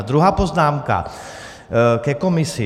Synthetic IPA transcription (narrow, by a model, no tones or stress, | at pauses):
d̪ɾuɦaːpoznaːmka̰ | kɛkomisi